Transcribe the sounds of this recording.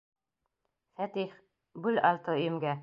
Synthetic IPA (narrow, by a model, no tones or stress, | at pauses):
fæt̪iχ | bʉlɑlˠt̪ɤɵ̆jɘ̆mɡæ